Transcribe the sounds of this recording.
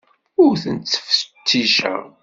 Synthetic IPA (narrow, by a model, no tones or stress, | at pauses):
ʊɾθənt͡sːə̥fə̥t̪ːiʃæ̰